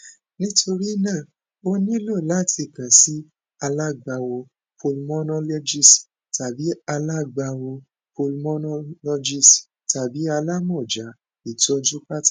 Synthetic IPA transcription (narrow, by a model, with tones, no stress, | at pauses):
nĩ˦tʰo˧ɾi˦nãː˦˨ | o˦nĩ˦lo˦˨la˦˨tʰi˧˨kã˨si˦ | a˧la˦˨ɡ͡ba˧wo˧ | pʰo˧lmɔ̃˦nɔ̃˦lɔ˧d͡ʒi˦˨s | ta˨bi˨˦a˧la˦˨ɡ͡ba˧wo˧ | po˧lmɔ̃˦nɔ̃˦lɔ˧˦d͡ʒi˦˨s | ta˨bi˨˦a˧la˦mɔ̃˦˨d͡ʒa˨˦ | i˨tɔ˧d͡ʒu˦ka˦tḁ˦˨